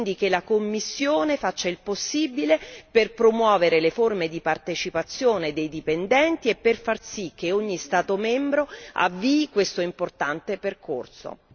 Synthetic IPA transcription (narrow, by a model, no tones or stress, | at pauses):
nd̪ikelakomːisːjoːnefat͡ʃːailposːibileperpɾomwɔːveɾeleformed̪ipart̪et͡ʃipat̪sːjoːned̪ejd̪ipend̪ɛnt̪iepːerfarsik̟ːeoɲːist̪aːt̪omɛmbɾoa̰vːiːkwest̪oimport̪ant̪eperkʰo̰rso̰